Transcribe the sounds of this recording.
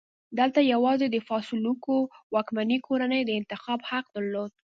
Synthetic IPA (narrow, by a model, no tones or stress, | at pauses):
d̪əlt̪ajawɑzed̪əfɑsɪlukowɑkmanikʰoɾanəjd̪əɪnt̪ɪxɑbhaq̚d̪əɾlod̪̚